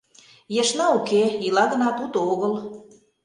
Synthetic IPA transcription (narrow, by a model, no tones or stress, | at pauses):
jɑʃnɑukeilɑdə̆nɑt̪ut̪oɣəl